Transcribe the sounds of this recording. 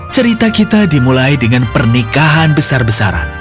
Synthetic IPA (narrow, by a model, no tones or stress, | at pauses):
t͡ʃəɾit̪akit̪adimulajdəŋanpərnikaɦanbəsarbəsa̰ɾa̰n